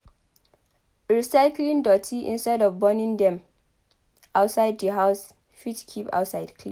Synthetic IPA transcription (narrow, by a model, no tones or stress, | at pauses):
ɹisaɪklĩŋdɔtʰiʔḭ̃nstɛdɔvbɔnĩŋdɛ̃m | ʔaʊtsaɪddəɦaʊs | fitkʰipa̰ʊtsaɪd̥kʰlḭ